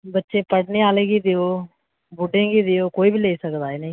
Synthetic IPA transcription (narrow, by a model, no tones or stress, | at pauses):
bətːʃẽːpəɽneːaːlẽːɡiːd̪eoː | bʊɖẽːɡiːd̪eoːkoːiːbʱiːleːisəkd̪aːeːnəĩ